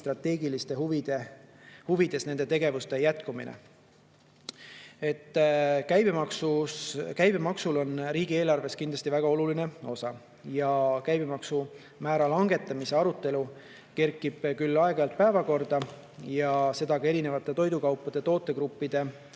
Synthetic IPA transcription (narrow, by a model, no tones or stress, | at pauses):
st̪rɑt̪ːe̞ːɡilist̪e̞ɦuvid̪̥ehuvid̪̥e̞sne̞nd̪et̪e̞ɡe̞vust̪e̞jæt̪kumḭnʔḛ | e̞t̪ːˑkæjb̥emɑksukæjbemɑksulo̞nriːɡ̥ie̞ːlɑrve̞skind̪lɑst̪ivæɡ̥ɑo̞luline̞o̞sɑ | jɑkæjbemɑksu | mæːɾɑlɑŋɡ̥e̞t̪ːˑɑmise̞ɑɾut̪ːˑe̞lu | ke̞rkˑːib̥kylːɑeɡɑjɑlt̪̚pæevɑko̞rd̪̥ɑ | jɑse̞d̪̥ɑɡɑe̞ɾine̞vɑt̪ːˑe̞t̪o̞jd̪ukɑwpːˑɑd̪̥e̞t̪o̞ːt̪ːˑe̞kɾupːid̪̥e̞